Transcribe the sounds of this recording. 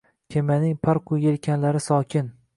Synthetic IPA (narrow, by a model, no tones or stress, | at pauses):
kʲʰemanɪŋpʰaɾqʰʊjelkʲʰanlaɾɪsɒkʲʰɪn